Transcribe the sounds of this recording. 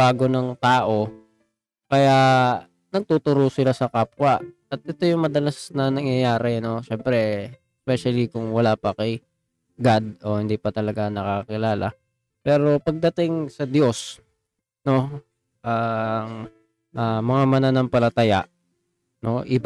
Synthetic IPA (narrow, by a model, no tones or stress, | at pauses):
aːɡo̞nɐŋt̪aːʔo̞ | kɐjaʔ | nɐɡ̚t̪uːt̪ʊɾosɪlasɐkaːpwaʔ | ɐt̪̚ʔɛt̪o̞jʊŋmɐd̪ɐlasnɐnɐŋjɐjaːɾɛno̞ʃɛmpɾɛɛspɛʃɐlikʊŋwɐlapɐkɐj | ɡad̪̚o̞hɪnd̪iːpɐt̪ɐlɐɡanɐkakɐkɪlaːlɐ̰ | pɛːɾo̞pɐɡ̚d̪ɐt̪ɪŋsɐd̪jo̞s | no̞ | ʔɐŋ | ʔɐmɐŋamɐnanɐŋpɐlɐt̪ɐja̰ʔ | no̞ʔɪb